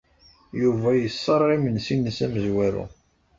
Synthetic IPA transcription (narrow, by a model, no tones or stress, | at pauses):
juvæjəsːəɾˤːimənsinːəsæməzwæɾṵ